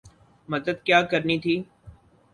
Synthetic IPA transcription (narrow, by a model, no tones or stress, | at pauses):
mɐd̪əd̪kjaːkɐɾnit̪ʰiː